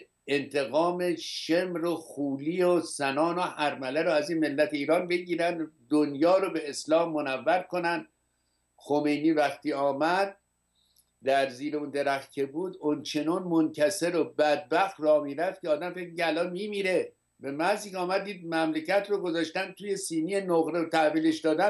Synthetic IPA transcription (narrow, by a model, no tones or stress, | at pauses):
ent̪ʰe̞ɣɒːmeʃemɾoxuːliːosænɒːnohæɾmæleɾoæzinme̞lːæt̪ʰeiːɾɒːnbe̞ɟiːɾænd̪d̪onjɒːɾobeeslɒːmːonævːæɾkʰonænd̪̥ | xome̞jniːvæxt̪ʰiːɒːmæd̪̚ | d̪æɾziːɾeund̪eɾæxt̪̚kʲʰebuːd̪ont͡ʃʰe̞nɒnmoncʰæseɾobæd̪̚bæxt̪rɒːmiːɾæft̪kʰʲeɒːd̪æmfemicʲeælɒnmiːmiːɾe̞ | bemæziːkʲɒːmæd̪ːiːd̪̚mæmlecæt̪roɡozɒːʃt̪ænt̪ʰuːje̞siːnienoɣɾet̪ʰæhviːle̞ʃd̪ɒːd̪æ